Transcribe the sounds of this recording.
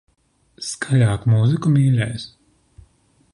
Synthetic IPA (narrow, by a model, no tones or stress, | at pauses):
skʰalʲaːkmuzikumiːɾɛjs